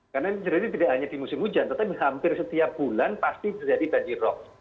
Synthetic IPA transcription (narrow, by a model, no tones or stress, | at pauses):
karnat͡ʃəɾit̪it̪idaʔhaɲadimusɪmud͡ʒant̪ət̪apihampɪrsət̪iap̚b̥ulanpast̪it̪ərd͡ʒadiband͡ʒirɔk̚